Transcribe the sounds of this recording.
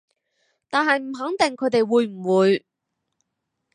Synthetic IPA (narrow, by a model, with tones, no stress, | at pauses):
t̪aː˨nhɐ˨jm̩˨˩ɦɐ˨˥ŋt̪ɪ˨ŋkʰɵ˨˧ɥt̪e˨jwuː˨˧jm̩˨˩wuː˨˧j